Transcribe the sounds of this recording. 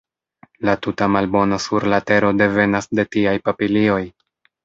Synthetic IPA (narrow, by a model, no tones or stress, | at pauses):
latutamalbo̞nasuɾlate̞ɾo̞de̞ve̞nasde̞tiajpapilio̞j